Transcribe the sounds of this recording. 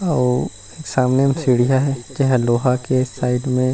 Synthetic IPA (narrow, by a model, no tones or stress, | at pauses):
ɔː | eːksaːmnemsiːɽijaɦɛd͡ʒɛɦɛloːɦakesaːɪɖmẽ